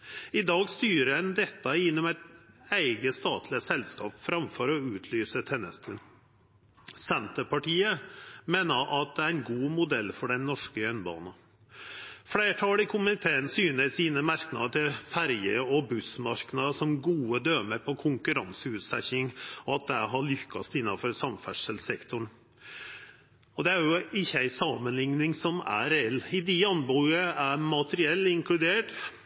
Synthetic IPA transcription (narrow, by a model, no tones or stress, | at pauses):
ɪd̪ɑːɡst̪yːɾəɛnd̪ɛt̪ːɑɪnːɔmæɪt̪æɪɡəst̪ɑːt̪ʰlɪəsɛlskɑ̰ːpfɾɑmfɔɾɔʉːt̪ʰlyːsət̪ʰɛnːə̰st̪ʰʉn | sɛnt̪əpɑʈʰiːəmeːnəʔɑt̪̚d̪ɛæɾæɪnɡuːmʊd̪ɛlːfɔɖɛnnːɔʂkəjœnbɑ̰ːnɑ | fɽeːʈʰɑːlɪkʰʊmɪt̪ʰeːənsyːnəɾsiːnəmɑɾknɑ̰d̪əʈ̪ʰɪlfæɾjəɔbʉsmɑɾknɑd̪əsɔmɡuːəd̪øːməɾpʰɔkʰʊŋkʉɾɑnsəʉːt̪sɛ̰çɪŋɔɑt̪̚d̪æɪɦɑɭʏkʰːɑ̰st̪ɪnːɑfɔɾsɑmfæʂəlsɛkt̪ʊɳ | ɔd̪ɛæɾjʊɪçːəæɪsɑːmənlɪŋnɪŋsɔmæ̰ɾɛɛlːɪd̪ɪɑnbuəæɾmɑt̪əɾɪɛlːɪŋklʉd̪eːʈ